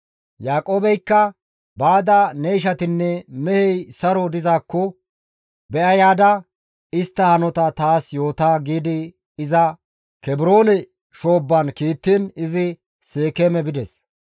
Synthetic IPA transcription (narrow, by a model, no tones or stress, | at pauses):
jaːkʼo̞ːbɛjkːɐ | baːd̪ɐnɛjʃ̬ɐt̪ɪnːɛmɛhɛjsɐɾɔd̪ɪzaːkːɔ | bɛʔɐjaːd̪ɐ | ɪst̪ːɐhɐnɔt̪ɐt̪aːsjo̞ːt̪aːɡiːd̪ɪ | ɪzɐ | kɛbɪɾo̞ːnɛ | ʃo̞ːbːɐnkiːt̪ːɪnɪzɪ | seːkɛmɛbɪd̪ɛs